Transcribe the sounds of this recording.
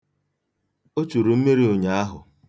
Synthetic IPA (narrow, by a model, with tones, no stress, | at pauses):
o˦t͡ʃu˨ɾu˨m̩˦me˦ɾi˦o˨ɲa˦a˦ɦʊ̰˨